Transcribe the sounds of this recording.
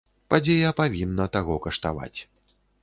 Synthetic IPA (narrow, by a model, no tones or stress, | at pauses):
pad͡zʲejɐpavʲinːɐt̪aɣɔkɐʂt̪ava̰t͡sʲ